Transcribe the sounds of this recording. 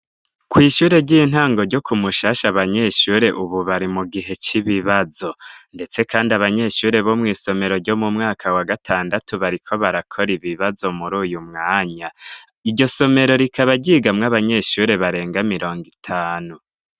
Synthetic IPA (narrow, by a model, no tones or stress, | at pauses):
kwiːʃuːɾe̞ɾɟin̥haːŋɡo̞ɾɟo̞kumuʃaːʃaβaɲe̞ʃuːɾe̞ʔuβuβaɾimuɡiɦe̞t͡ʃiβiβazo̞nde̞t͡se̞kʰaːndiaβaɲe̞ʃuːɾe̞βomŋiːso̞me̞ɾo̞ɾɟo̞mumŋaːkʰawaɡatʰaːndatʰuβaɾikʰo̞βaɾakʰo̞ɾiβiβazo̞muɾuːjumŋaːɲa | iɟo̞so̞me̞ɾo̞ɾikaβaɟiːɡamŋaβaɲe̞ʃuːɾe̞βaɾe̞ːŋɡamiɾo̞ːŋɡitʰaːnu